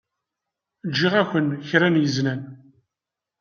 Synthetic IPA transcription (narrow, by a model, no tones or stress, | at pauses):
d͡ʒːiʁæçʷənçɾænjəznæn